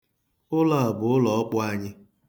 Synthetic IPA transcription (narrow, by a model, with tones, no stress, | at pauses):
ʊ˦la˨a˨bʊ˨ʊ˦lɔ˨ɔ˦k͡pʊ˦a˦ɲɪ˦